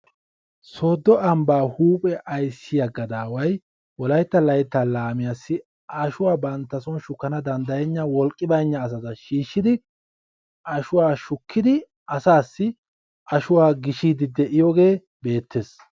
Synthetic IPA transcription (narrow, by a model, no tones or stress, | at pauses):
so̞ːd̪ːɔɐmbaːhuːpʼɛʔɐjsːɪjɐɡɐd̪aːwɐj | wɔlɐjt̪ːɐlɐjt̪ːalaːmɪjasːɪ | ʔaʃʊwaːbɐnt̪ːɐsɔnʃʊkːɐnɐd̪ɐnd̪ɐjɛɲːɐwɔlkʼːɪbɐjɲːɐːs̬ɐzɐʃiːʃːɪd̪ɪ | ʔɐʃʊwaːʃʊkʰːɪd̪ɪ | ɐsaːsːɪ | ʔɐʃʊwaːɡɪʃiːd̪ɪd̪ɛʔɪjɔɡe̞ː | be̞ːt̪ʰːes